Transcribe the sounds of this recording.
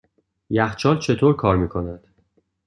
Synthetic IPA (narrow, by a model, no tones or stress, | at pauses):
jæxt͡ʃʰɒːlt͡ʃʰe̞t̪ʰoːɾkʰɒːɾmiːkʰo̞næd̪̥